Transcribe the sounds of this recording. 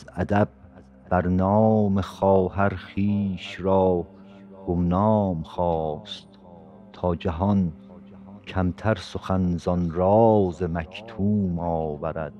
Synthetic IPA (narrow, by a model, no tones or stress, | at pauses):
zæd̪æb̚ | b̥æɾnɒːmexɒːɦæɾχiːʃɾɒː | ɡ̥omnɒːmχɒːst̪ | t̪ʰːɒːd͡ʒæɦɒn | kʰæmt̪ʰæɾsoxænzɒnɾɒːzemækʰt̪ʰuːmɒːvæɾæ̰d̪̥̚